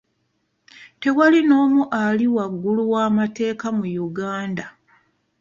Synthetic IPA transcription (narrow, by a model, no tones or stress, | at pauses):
te̞walino̞ːmuʔaliwaɡːuluwaːmate̞ːkamujuɡaːnda